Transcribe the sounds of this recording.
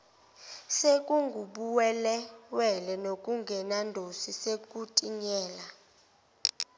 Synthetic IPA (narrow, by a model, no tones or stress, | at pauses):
sekʼuŋɡʱuɓuwɛlɛwɛlɛnokʼuŋɡʱɛnandʱosisek̬ʼutʼiɲɛːla